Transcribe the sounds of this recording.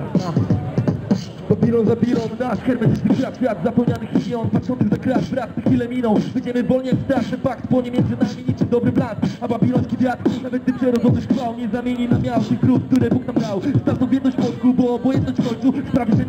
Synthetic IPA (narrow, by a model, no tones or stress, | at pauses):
babʲilɔ̃zabʲilɔnnaʂxɛɾmɛt̪ist̪ɪkɾat̪vʲjat̪zapɛwɲanɨximʲiɔnpatʂɔ̃nt̪ɛzakɾat̪vɾat̪t̪ɨxʲilɛmʲinɔ̃w̃vɘd͡ʑɛmɘvɔlɲɛakst̪ɾatt̪ɛfakt̪bɔɲeɛmʲjɛ̃nzɘnamʲiɲikʂɨd̪ɔbɾɪplanababʲilɔñskʲivat̪kunavɛt̪̚d̪ɨpʂɛɾɔzɔt̪ɔɕxfawɲɛzamʲjeɲinamʲjawt̪ɪxkɾut̪k̚t̪uɾɛbuknamd̪awst̪aɾt̪ɔ̃vʲjɛnɔɕt͡ɕpɔt̪kubɔːbɔjɛnt̪nɔɕt͡ɕfkɔjt̪suspɾavʲim